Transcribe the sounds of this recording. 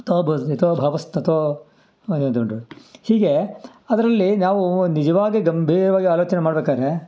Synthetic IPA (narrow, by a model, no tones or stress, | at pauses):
t̪obʱɐit̪obʱaːʋɐst̪ɐt̪ʋo | nt̪koɳɖɾuhiːɡe̞ | ɐd̪ɐɾɐlːinaːʋunid͡ʒɐʋaːɡiɡɐmbʱiːɾɐʋaːɡiaːloːt͡ʃɐnemaːɽbeːkaːd̪ɾe